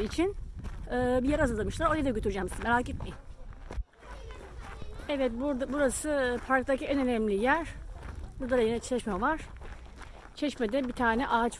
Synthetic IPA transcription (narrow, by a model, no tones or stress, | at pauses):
it͡ʃʰinɯːbijaɾazɯld̪amɯʃlˠaɾojjad̪aɟøt̪ʰyɾyd͡ʒɛmsmeɾaːket̪̚mi | ɛvɛt̪̚buɾbuɾasɯpʰaɾkt̪aciɛnø̞nɛmlʲijæɾ̥buɾd̪ad̪ajinɛt͡ʃʰɛʃmɛvaɾ̥ | t͡ʃʰɛʃmɛd̪ɛbit̪ʰaːnɛʔaːt͡ʃ